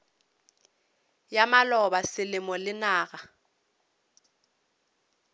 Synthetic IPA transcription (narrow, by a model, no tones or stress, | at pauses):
jamalɔbasɪlɪmɔlɪnaːɣa